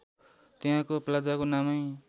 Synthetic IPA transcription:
t̪eɦãkoplad͡zakonamʌj

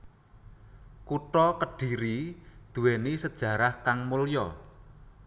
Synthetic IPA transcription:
kuʈɔkəɖ̥i̤ɾid̪̥ṳwenisəd̥ʒ̥ä̤ɾahkaŋmuljɔ

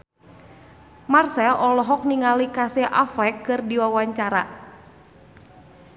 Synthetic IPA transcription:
marsɛlʔɔlɔɦɔk̚niŋalikaseʔafɛkːɨrdiwawaɲt͡ʃaɾa̰

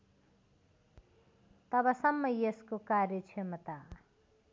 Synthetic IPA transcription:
t̪ʌbʌsʌmːʌjeskokaɾjʌt͡sʰʌmʌt̪a

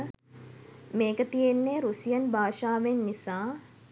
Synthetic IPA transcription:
meːkət̪ijenːeːɾusijənbʱaːʃaːʋenːisaː

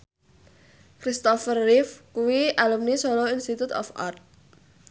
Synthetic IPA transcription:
kɾist̪ɔfərːɪfkuwiʔalumnisoloinst̪it̪ut̪ɔ̰fʔa̰rt̪̚

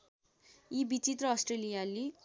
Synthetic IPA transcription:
ibit͡sit̪rʌːsʈrelijali

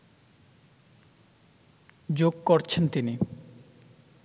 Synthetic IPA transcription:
d͡ʑoɡ̚koɾt͡ɕʰent̪ini

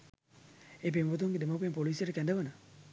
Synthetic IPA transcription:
eːp̬embot̪̬uŋɡed̪emop̬empoliːsijəʈəkændəʋənə

